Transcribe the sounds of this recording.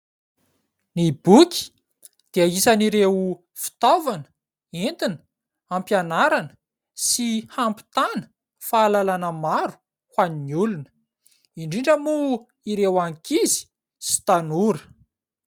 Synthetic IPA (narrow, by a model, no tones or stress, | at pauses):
nibukʲi̥ | d̪̥eaisaniɾew | fi̥t̪ovanə̥ | ent̪inə̥ | ampjanaɾanə | sihampi̥t̪anə̥ | faːlalanəmaɾu̥ | hwaniɲulunə | iɳɖ͡ʐiɳɖ͡ʐəmu | iɾewaŋkizi̥ | si̥t̪anuɾə̥